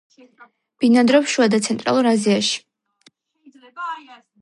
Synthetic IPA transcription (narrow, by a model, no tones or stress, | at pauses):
b̥inad̪ɾɔpʃuad̪at̪sʰɛnt̪ʼɾa̰lˠuɾaziaʃi̥